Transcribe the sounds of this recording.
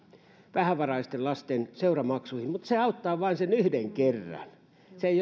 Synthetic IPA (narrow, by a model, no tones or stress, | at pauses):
ʋæhæʋɑrɑist̪ellɑst̪enseurɑmɑksuihimmut̪seɑut̪ːɑːʋɑinsenyhdeŋkerːɑ̰n | seeij